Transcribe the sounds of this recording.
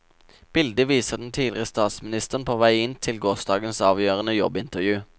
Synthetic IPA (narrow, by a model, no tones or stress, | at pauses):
b̥ɪld̪əʋiːsəʁd̪n̩t̪ʰiːlɪʁəst̪ɑːt̪smɪnɪst̪əʁənpʰoːʋæɪɪnt̪ʰɪlɡoːsd̪ɑːɡənsɑːʋjøːʁənəjɔbɪnt̪əʁjʉː